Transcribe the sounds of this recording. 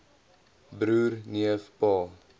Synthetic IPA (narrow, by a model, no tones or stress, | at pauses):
bɾuːrniəfpɑː